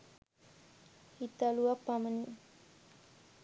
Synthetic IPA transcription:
hit̪aluʋakpaməni

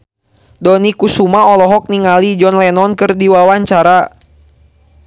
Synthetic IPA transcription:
dɔnikusumaɔlɔɦɔk̚niŋalid͡ʒɔnlɛnɔnkɨrdiwawaɲt͡ʃaɾa

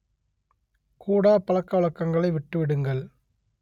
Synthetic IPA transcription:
kuːɽaːpɐɭɐkːɐʋɐɭɐkːɐŋɡɐɭɐɪʋɪʈːɯʋɪɽɯŋɡɐɭ

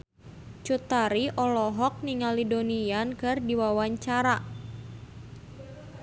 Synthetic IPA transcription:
t͡ʃut̪aɾiʔɔlɔɦɔk̚niŋalidonijankɨrdiwawaɲt͡ʃaɾa

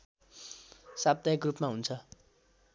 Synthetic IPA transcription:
sab̚d̪ajekrupmaɦunt͡sʰʌ

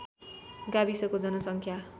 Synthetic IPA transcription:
ɡabisʌkod͡zʌnʌsʌŋkʰja

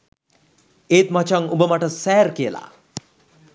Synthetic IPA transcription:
eːt̪mat͡ʃaŋubəmaʈəsɛːɾkijəla̰

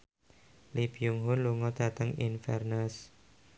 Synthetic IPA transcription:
lib̥ijuŋɦʊnluŋɔd̪̥ä̤t̪əŋḭnfɛrnas

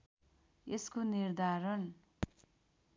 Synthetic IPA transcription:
eskonird̪ʱaɾʌn

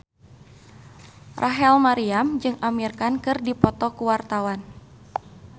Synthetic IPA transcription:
rʔaɦɛlmaɾiamd͡ʒɨŋamirkankɨrdipɔt̪ɔkuwart̪awan

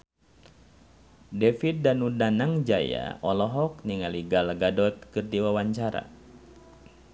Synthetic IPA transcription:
dɛfit̪̚danudanaŋd͡ʒaja̰ɔlɔɦɔkniŋaliɡalɡadɔt̪̚kɨrdiwawaɲt͡ʃaɾa̰

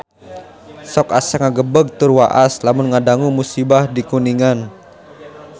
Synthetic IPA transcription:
sɔkasakŋaɡəbəɡ̚t̪ʊrwaʔaslamʊnŋadaŋumusibahdikuniŋan

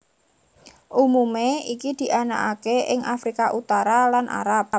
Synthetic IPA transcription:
ʔumumeikid̪̥i̤ʔanakʔakeʔɪŋʔafɾikaʔut̪aɾalanʔa̰ɾap̚

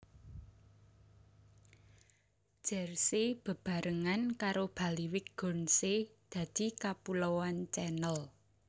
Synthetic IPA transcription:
ʒ̥ɛ̤rseb̥ə̤b̥ä̤ɾəŋankaɾob̥ä̤liwɪkɡ̥ɔ̤nsed̪̥ä̤d̪̥i̤kapulowant͡ʃɛnəl

